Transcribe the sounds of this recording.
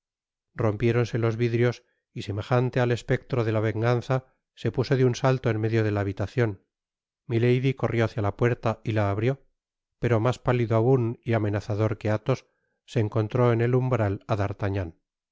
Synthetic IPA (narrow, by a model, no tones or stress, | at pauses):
ro̞mpje̞ɾo̞nse̞lo̞zβiðɾjo̞s | ise̞me̞χant̪e̞ale̞spe̞k̚t̪ɾo̞ðe̞laβ̞e̞ŋɡanθa | se̞puso̞ðeunsalt̪oenme̞ðjo̞ð̞e̞laːβit̪aθjo̞n | mile̞jðiko̞rjo̞aθjalapwe̞ɾt̪ailaːβɾjo̞ | pe̞ɾo̞maspaliðoauniame̞naθaðo̞ɾke̞at̪o̞sː | e̞ːŋko̞nt̪ɾo̞ene̞lumbɾalaðaɾt̪aɲan